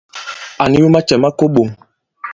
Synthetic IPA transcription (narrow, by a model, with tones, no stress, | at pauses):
a˨ni˨ju˦ma˦t͡ʃɛ˨ma˦ko˦ɓo˨ŋ